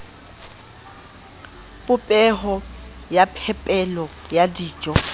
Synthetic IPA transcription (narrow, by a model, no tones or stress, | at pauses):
pʼʊpʼɛɦɔ | japʰɛpʼɛlɔ | jadiːt͡ʃʼɔ